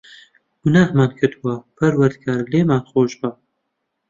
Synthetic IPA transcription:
ɡ̥unaːhmaːnkʰəd̪wapʰɐɾwɐɾd̪̚ɡaːɾleːmaːnχoːʒba

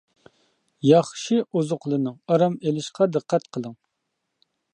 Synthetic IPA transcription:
jɑχʃiʔozʊqlˠɨnɨŋɑɾɑmelɪʃqʰɑd̪ɨqʰːæt̪̚qʰəlˠɨŋ

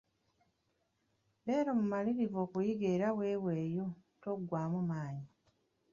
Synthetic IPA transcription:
le̞ːɾo̞mumaliɾivo̞ːkujiɡeɾawe̞ːwe̞ːjo̞toɡːwaːmumaːɲi

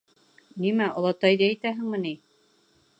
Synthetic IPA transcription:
nimæŏlˠɑt̪ɑjd̪iæjt̪æɦɘ̆ŋmɘ̆ni

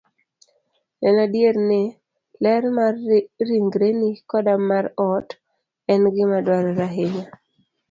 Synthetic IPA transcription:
ɛnadjeɾne | lɛrmarːiŋɡɾenikɔdamaɾɔt | ɛnɡɪmadwaɾɔɾaɦeɲa

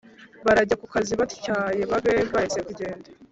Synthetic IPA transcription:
βaɾaɟakukaziβatu̥caːje̞βaβebahisekuɟe̞ːnda

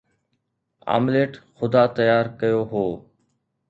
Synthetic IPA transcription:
a̰ːmleːʈxʊd̪aːt̪əjaːɾkəjoːɦoː

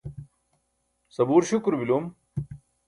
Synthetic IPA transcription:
sɐbuːɾɕukɾbilum

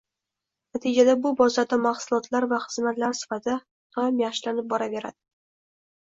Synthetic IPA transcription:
nat̪ʰɪd͡ʒad̪abʊbɒzad̪amaχsʊlˠɒt̪ʰlaɾvaχɨzmat̪laɾsɪ̥fat̪ʰa | t̪ʰɒmjaχʃlanɪp̚bɒɾave̞ɾa̰d̪̥ɪ

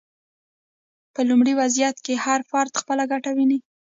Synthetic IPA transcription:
pəlumɽiwazijat̪kehaɾfɑɾd̪xpəlaɡaʈawini

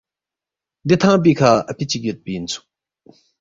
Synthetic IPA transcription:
d̪it̪ʰaŋp̬ikʰaapit͡ɕik̚jət̪̚pijint͡sʰu̥

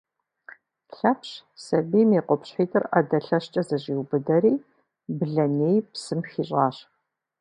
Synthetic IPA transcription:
ɬɐpɕsɐbiːmeːqʷɔpɕħiːtʰʼɨrɐdɐɬɐɕt͡ʃʼɐzɐʑiːwbɨdɐɾiː | bɨɮɐneːjpsɨmxiːɕʼɑːɕ

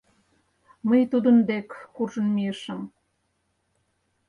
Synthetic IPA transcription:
məjt̪ud̪ə̆nd̪ekːurʒɤ̆nmiəʃə̆m

